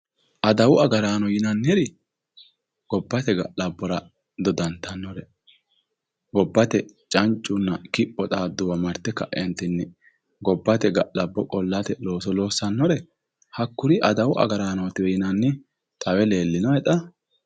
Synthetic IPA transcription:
ʔɐd̪ɐwʊɐɡɐɾaːnɔjɪnɐnːɪɾɪ | ɡ̥ɔbːɐt̪ɛɡɐ̰ʔlɐbːɔɾɐ | d̪ɔd̪ɐnt̪ɐnːɔɾɛ | ɡɔbːɐt̪ɛt͡ʃʼɐnt͡ʃʼːʊnːɐkɪpʼːɔt̪ʼaːd̪ːʊwɐmɐɾt̪ːɛkɐ̰ʔɛnt̪ɪnːɪ | ɡɔbːɐt̪ɛɡɐʔlɐbːɔkʼɔlːat̪ɛlo̞ːsɔlo̞ːsːɐnːɔɾɛ | hɐkːʊɾɪʔɐd̪ɐwʊʔɐ̰ɡɐɾaːnɔt̪ɪwɛjɪnɐnːɪ | t̪ʼɐwɛle̞ːlːɪnɔɛt̪ʼɐ

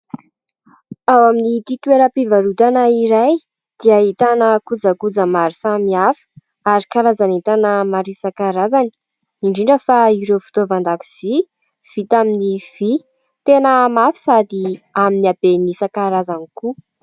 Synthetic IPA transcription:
awaminit̪it̪weɾəpivaɾut̪anaiɾaj | d̪̥iait̪anəkud͡zəkud͡zəmaɾisamiafə̥ | aɾikaɾazanit̪anəmaɾisakaɾazani̥ | iɳɖ͡ʐiɳɖ͡ʐəfaiɾewfu̥t̪ovand̪akuz̥i | v̥it̪aminiv̥i | t̪enəmafi̥sad̪iaminiab̥enisakaɾazaniku

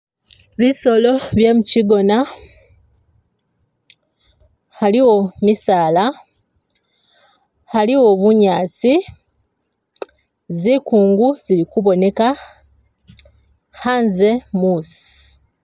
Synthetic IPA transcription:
βiso̞lo̞βje̞ːmuciɡo̞na | haliwo̞misaːla | haliwo̞βuɲaːt͡si | zikuːŋɡuzilikuβo̞ne̞ka | haːnzemuːsi̥

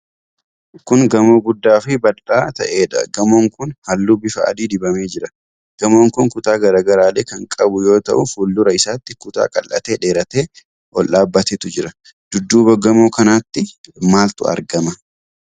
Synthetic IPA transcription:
kʊŋɡɐmoːɡʊd̪ːaːfɪbɐlaːt̪ɐʔe̞ːᶑɐ̰ɡɐmoːŋkʊnhɐlːuːbɪfɐɐ̰d̪iːd̪ɪbɐmeːd͡ʒɪɾɐ | ɡ̥ɐmoːŋkʊŋkʊt̪aːɡɐɾaːɡɐɾaːleːkɐŋkʼɐbʊjo̞ːt̪ɐ̰ʔʊfuːlːʊɾɐɪsaːt̪ːɪkʊt̪a̰ːkʼɐ̰lʔɐ̰t̪e̞ːᶑe̞ːɾɐt̪e̞ː | ʔɔlʔaːbːɐt̪et̪ʊd͡ʒɪɾɐ | d̪̥ʊd̪ːuːbɐɡɐmoːkɐnaːt̪ːɪmaːlt̪ʊ̰ɐ̰ɾɡɐmɐ

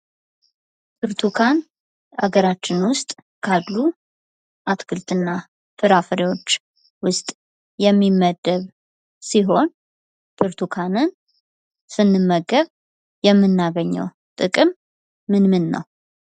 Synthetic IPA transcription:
pʰɨɾt̪ʰukʰan | ʔa̰ɡəɾat͡ʃːɪnwʊst̪ʼ | kʰad̪lu | ʔat̪ʰkɨlt̪ʼɨnːa | fɨɾafəɾiwo̞t͡ʃː | wʊst̪ʼ | jɛmːimːəd̪ːəβ | siɦo̞n | bʰɨɾt̪ʰukʰanɨn | sɨnːɨmːəɡːəβ | jɛmːɨnːaɡəɲːɛ̰w | t̪ʼɨkʼɨmː | ɨnmɨnːə̰w

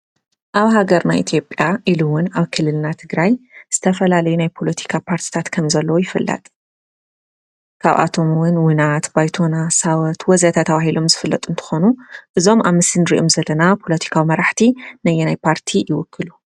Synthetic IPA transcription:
ʔaβɦaɡɐɾnajʔit̪ʰjo̞pʼjaʔiluwʊnaβkʰɨlːɨlnat̪ʰɨɡɾajz̥ɨt̪ʰɐfɐlalɐjunajpʰo̞lɐt̪ʰi̥kʰapʰaɾt̪ʰi̥t̪ʰat̪kʰɐmzɐlːɐwojɪfɨlːɐ̰t̪ʼ | kʰaβʔa̰t̪ʰo̞mwʊnwɨnat̪bajt̪ʰonasawɐt̪wɔzat̪ʰat̪ʰːaβaɦilo̞mzɨfɨlːɐt̪ʼuɨnt̪ʰɨ̥xo̞nuʔɨzo̞mʔaβmɨsɨnɾiʔomzɐlːɐnapʰo̞lɐt̪ʰi̥kʰawimɐɾaħt̪ʰinɐjːenajpʰaɾt̪ʰijɪwʊkʰːɨlu

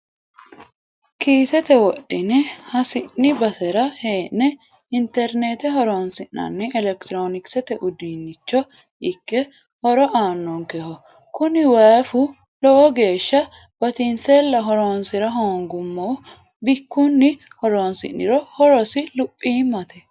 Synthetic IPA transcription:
kiːsɛt̪ɛwɔɗɪnɛhɐsɪnːɪbɐsɛɾɐheːʔnːɛ | ɪnt̪ɛɾnet̪ɛɦɔɾoːnsɪʔnɐ̰nːɛʔɛlɛkt̪ɾoːnɪksɛt̪ɛʔʊd̪iːnːɪt͡ʃːɔ | ɪkːɛ | hɔɾɔʔaːnːɔŋkɛhɔ | kʊnɪwɐfʊ | lɔɔɡe̞ːʃːɐ | b̥ɐt̪ɪnseːlːɐɦɔɾoːnsɪɾɐɦoːŋɡʊmːoː | bɪkːunːɪhɔɾoːnsɪ̰nːɪ̰ɾɔhɔɾɔsɪlʊpʼːiːmɐt̪ɛ

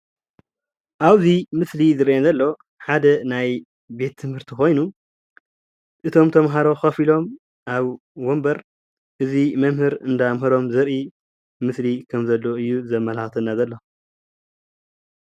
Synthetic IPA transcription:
ʔaβzimɨslizɨɾʔenzɐlːo̞ | ħad̪ɐnaj | be̞t̪ʰːɨmhɨɾt̪ʰixo̞jnu | ʔɨt̪ʰo̞mt̪ʰɐmɦaɾo̞xɐfilo̞m | ʔaβ | wombɐɾ | ʔɨzimɐmhɨɾɨnd̪amɦɐɾo̞mzɐɾi | mɨslikʰɐmzɐlːo̞ɨjːuzɐmːɐlaxt̪ʰɨnːazɐlːo̞

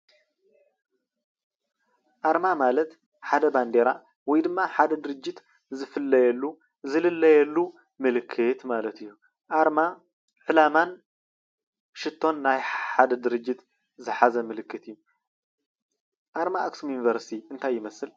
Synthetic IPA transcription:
ʔaɾmamalɐt̪ | ħad̪ɐband̪eɾa | wɔjd̪ɨmːaħad̪ɐd̪ɨɾɨd͡ʒːɪt̪ | zɨfɨlːɐjɛlːu | zɨlɨlːɐjɛlːu | mɨlɨkʰːɨt̪malɐt̪ɨjːu | ʔaɾma | ʕɨlaman | ʃɨt̪ʰːo̞nːajħad̪ɐd̪ɨɾɨd͡ʒːɪt̪ | zɨħazɐmɨlɨkːɨt̪ɨjːu | ʔaɾmaːksumjunivɐɾst̪ʰiɨnt̪ʰajːɪmɐsɨl

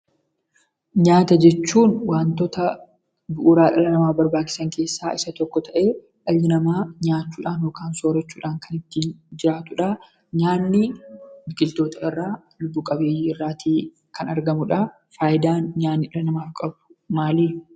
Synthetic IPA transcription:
ɲaːt̪ɐd͡ʒɛt͡ʃːuːnwaːnt̪ɔt̪ɐ | bʊʔʊɾaːʔɐlɐnɐmaːbɐɾbaːt͡ʃːɪ̥sɐŋke̞ːsːaːʔɪsɐt̪ɔkːɔt̪ʰɐʔe̞ː | ʔɐjːɪnɐmaːɲaːt͡ʃːuːᶑaːnjoːkaːnso̞ːɾɛt͡ʃːuːᶑaːŋkɐnɪt̪ːiːnd͡ʒɪɾaːt̪ʊᶑaː | ɲaːnːɪbɪɡɪlt̪o̞ːt̪ɐɪrːaː | lʊbːukʼɐbeːjiːɪrːaːt̪iː | kʰɐnɐɾɡɐmʊᶑaː | faːjɪd̪aːnɲaːnːɪɪɾɐnɐmaːfkʼɐbʊ̥maːliː

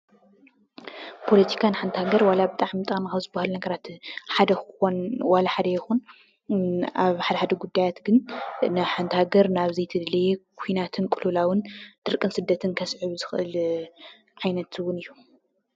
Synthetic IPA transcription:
pʰo̞lɐt̪ʰi̥kʰanħant̪ʰhaɡɐɾwalabɨt̪ʼaʕmit̪ʼamaxawzɨbːahalunɐɡɐɾat̪ħad̪ɐxonwalaħad̪ɐjɪxun | aβħad̪ɐħad̪ɐɡud̪ːajat̪ɡɨnnɨħant̪haɡɐɾnaβzijt̪ʰɨd̪liekʰujnat̪ʰɨnkʼɨlulawɨnd̪̥ɨɾkʼɨnsɨd̪ːɐt̪ʰɨnkʰɐsʕɨβzɨxʔɨl | ʕajnɐt̪ʰwʊnɨjːu

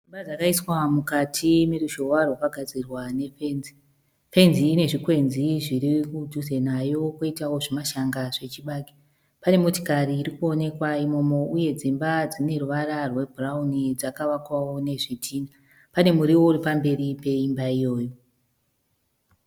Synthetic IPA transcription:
d͡zd͡zimbad͡zakaiswamukatʰime̞ruʃo̞warwakaɡʱad͡zirwane̞fenzi | fe̞nziːne̞ʐikwe̞nziʐiɾikuduze̞najo̞koitawo̞ʐimaʃaŋɡaʐe̞t͡ʃiɓaːki̥ | pane̞mo̞tikariːrikuo̞ne̞kwaimo̞mo̞uje̞d͡zimbad͡zine̞ruʋaɾarwe̞bʱuraunid͡zakaʋakwawo̞ne̞ʐitʰiːna | pane̞muɾiwo̞uripambe̞ɾipe̞imbaijo̞ːjo̞

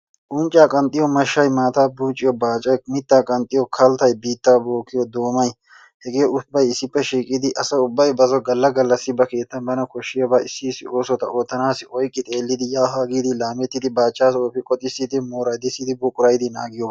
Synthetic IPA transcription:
ʔʊnt͡ʃʼaːkʼɐnt̪ʼːɪjɔmɐʃːɐjmaːt̪aːbuːt͡ʃʼːɪjɔbaːt͡ʃʼɐmɪt̪ːaːkʼɐnt̪ʼːɪjɔkʰɐlt̪ɐjbiːt̪ːaːboːkːɪjɔd̪oːmɐj | hɛɡeːʔʊbːɐjɪsːɪpːɛʃiːkʼɪd̪ɪʔɐsɐʊbːɐjbɐzɔɡɐlːɐɡɐlːɐsːɪbɐke̞ːt̪ːɐnbɐnɐkɔʃːɪjɔbɐɪsːɪsːɪo̞ːsɔt̪ɐʔoːt̪ːɐnaːsɪɔjkʼːɪt̪ʼe̞ːlːɪd̪ɪjaːɦaːɡiːd̪ɪlaːmɛt̪ːɪd̪ɪbaːt͡ʃːaːsɔːpɪkʼɔt̪ʼɪsːɪd̪ɪmoːɾɐjd̪ɪsːɪd̪ɪbʊkʼːʊɾɐjd̪ɪnaːɡɪjɔb

